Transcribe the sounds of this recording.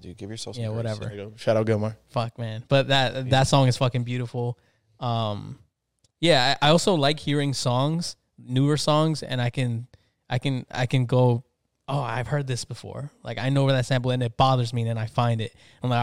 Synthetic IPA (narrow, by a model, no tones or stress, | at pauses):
d̥ɨjɨɡɪvjə˞sɛjæwʌɾɛvə̰˞ʃæɾaʊɡoʊmɔɹfʌk̚mæ̃nb̥ʌt̪̚ðɨt̪̚ðɨtsɔ̃ŋɨz̥fʌkɨ̃ŋbjʉɾəfl̩ˠ | ʌ̃m | jæaɪʔaɪɔlˠsoʊlaɪkhiɹɪ̃ŋsɔ̃ŋz̥ | nʉə˞sɔ̃ŋzɨ̰̃ñaɪkɨ̃n | ʔaɪkɨ̃na̰ɪkɨ̃nɡoʊ | oʊa̰ɪv̥hɜ˞d̪̚ðɪsb̥əfɔ̰ɹla̰ɪkaɪnoʊwə˞ðɨtsæ̃mpl̩ˠɨ̃nɨt̚b̥ɑðə˞zmiɨ̃nɨ̃naɪfãɪ̃ndɪt̚ | ãmlaɪ